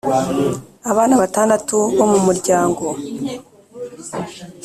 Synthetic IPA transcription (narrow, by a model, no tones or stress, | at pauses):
aβaːnaβataːndatuβo̞mumuɾɟaːŋɡo̞